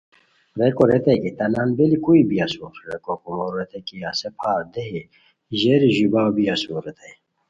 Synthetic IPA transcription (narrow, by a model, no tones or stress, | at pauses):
ɾekoɾet̪ekit̪ɐnaːnbelikuibiɐsuːɾɾekokumoɾːet̪ekiasepʰaːɾd̪eɦi | ʑeɾiʑibaːwbiɐsuɾet̪ʰej